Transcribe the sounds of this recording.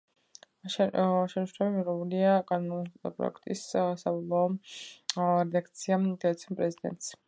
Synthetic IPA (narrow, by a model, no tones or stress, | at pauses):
ʃɛnʃɾɛbimiʁɛuliaɡanmnt̪ʼɔ̰pʼɾɔ̰ɛ̰kʰt̪ʼissabɔlˠaɔ | ɾɛakt̪sʰiamɡ̪ɛɛt̪sʰiɛnpʼɾɛzid̪ɛ̰nt̪ʼs